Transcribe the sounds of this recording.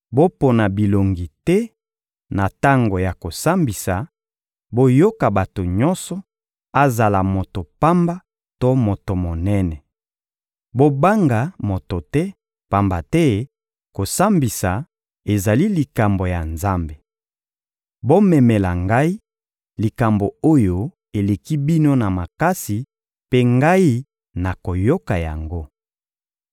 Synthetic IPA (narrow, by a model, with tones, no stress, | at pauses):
bo˦po˨na˨bi˨lo˨ŋɡi˨tɛ˦ | na˨ta˦ŋɡo˨ja˨ko˨sa˦mbi˨sa˨ | bo˦jo˦ka˨ba˨to˨ɲɔ˦nsɔ˨ | a˦za˨la˨mo˨to˨pa˦mba˦ | to˦mo˨to˨mo˨nɛ˦nɛ˨ | bo˦ba˦ŋɡa˨mo˨to˨tɛ˦ | pa˦mba˨tɛ˦ | ko˨sa˦mbi˨sa˨ | e˨za˨li˦li˨ka˨mbo˨ja˨nza˦mbe˨ | bo˦mɛ˨mɛ˨la˨ŋɡa˦i˦ | li˨ka˨mbo˨o˦jo˦ | e˨le˨ki˦bi˦no˦na˨ma˨ka˦si˨ | pe˦ŋɡa˦i˦ | na˨ko˨jo˦ka˨ja̰˨ŋɡo˦